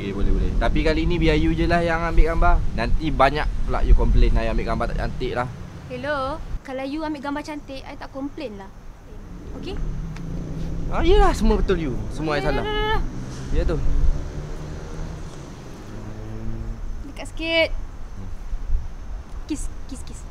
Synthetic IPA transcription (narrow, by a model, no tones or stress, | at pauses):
kebolɛhbolɛht̪apikaləinĩbiajud͡ʒəlahjaŋambɪʔɡambanant̪ibaɲak̚pla̰ʔjukɔmplenːajuambɪʔɡambat̪a̰ʔt͡ʃa̰nt̪ɪʔlah | helokalawjuambɪʔɡambat͡ʃant̪ɪʔajt̪aʔkɔmplenlah | oke | aiəlahsəmuəbət̪ʊljusəmuəajasala | ijət̪u | ə | dəkaʔsə̥kit̪̚ | kiskiskis